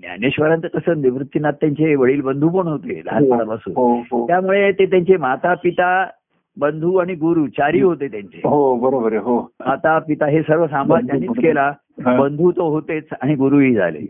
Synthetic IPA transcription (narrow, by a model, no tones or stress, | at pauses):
nja̰neɕʋəɾant̪kəsəːniʋɾut̪ːinat̪ːjaɲt͡ɕeʋəɭiːlbənd̪ʱuːp̬əɳɦot̪ḛla̰aəɽabasṵːɦoɦot̪jamuɭet̪et̪jaɲt͡ɕemat̪apit̪a | bənd̪ʱuaɽ̃iɡuɾuːt͡ɕaɾiːɦot̪et̪jaɲt͡ɕḛɦobəɾobəɾəɦomat̪apit̪aɦesəɾʋəsãmbʱajaniːt͡skela | bənd̪ʱuːt̪oɦot̪et͡saɽ̃iɡuɾuiːd͡zʱa̰lḛ